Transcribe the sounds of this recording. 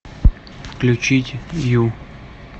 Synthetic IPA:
fklʲut͡ɕitʲju

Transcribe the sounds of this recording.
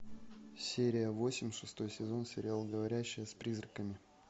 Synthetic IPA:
sʲeɾʲɪjəvo̞sʲɪmʲʂɨst̪o̞jsʲɪzo̞nsʲɪɾʲɪalˠɡəvɐɾʲæɕːɪjəspɾʲizɾəkəmʲɪ

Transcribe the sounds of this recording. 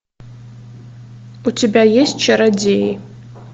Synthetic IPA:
utʰebʲajesʲtt͡ʃʰɐɾadej

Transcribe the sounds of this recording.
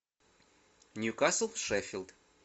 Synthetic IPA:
nʲjukaslˠʂɛfʲilˠd̪

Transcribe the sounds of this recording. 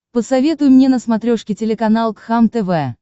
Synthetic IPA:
pəsɐvʲet̪ʊjʊmnʲe̞nəsmɐt̪ɾʲoʂkʲɪtʲɪlʲɪkɐnalˠk̪xamt̪ɛvɛ

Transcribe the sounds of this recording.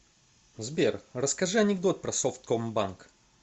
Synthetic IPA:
zbʲerrəskɐʐɨɐnʲɪɡd̪ot̪̚pɾɐsoft̪̚kombank

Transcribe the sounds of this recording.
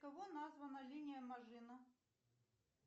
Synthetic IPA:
kɐvonazvɐnɐlʲinʲɪjɐmɐʐɨnɐ

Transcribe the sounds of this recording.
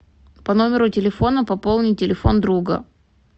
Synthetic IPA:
pɐno̞mʲɪɾʊtʲɪlʲɪfo̞nəpɐpolˠnʲɪjtʲɪlʲɪfo̞nd̪ɾuɡə̰

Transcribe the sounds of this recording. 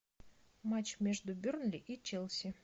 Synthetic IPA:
mat͡ɕmʲeʐd̪ʊbʲurnlʲɪʔit͡ɕelˠsʲɪ

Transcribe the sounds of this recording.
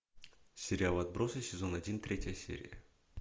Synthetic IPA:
sʲɪɾʲɪalˠɐd̪̚bɾo̞sɨsʲɪzo̞nɐdʲint̪ɾʲetʲjəjəsʲḛɾʲɪ̰jə

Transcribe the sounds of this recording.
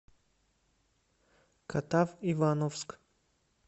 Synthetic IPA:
kʰat̪avivanofsk

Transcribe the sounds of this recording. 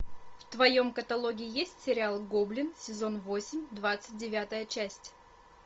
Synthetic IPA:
ft̪vɐjo̞mkət̪ɐlˠoɡʲɪɪjesʲtʲsʲɪɾʲɪalˠɡoblʲɪnsʲɪzo̞nvo̞sʲɪmʲd̪vat̪sɨt̚ʲdʲɪvʲat̪əjət͡ɕæsʲtʲ

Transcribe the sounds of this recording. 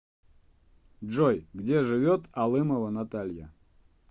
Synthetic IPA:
dʐojɡdʲeʐɨvʲot̪alˠɨməvənat̪alʲjə

